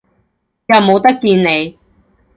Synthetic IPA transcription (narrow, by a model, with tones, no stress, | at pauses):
jɐ˨˧wmo˨˧wt̪ɐ˥kːiː˧nne˨˧j